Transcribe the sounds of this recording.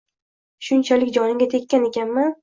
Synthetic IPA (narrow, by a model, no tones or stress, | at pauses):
ʃʊnt͡ʃʰalɪkʲd͡ʒɒnɪŋɡʲat̪ʰe̞kʲːane̞kʲanman